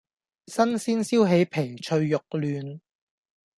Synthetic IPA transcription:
sɐ˥nsiː˥nsiː˥wɦe˨˥jpʰe˨˩jt͡ʃʰɵ˧ɥːʊ˨k̚lyː˨˧n

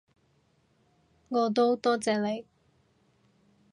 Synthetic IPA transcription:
ŋɔː˨˧t̪̬o˥wt̪ɔː˥t͡sɛː˨˧le˨˧j

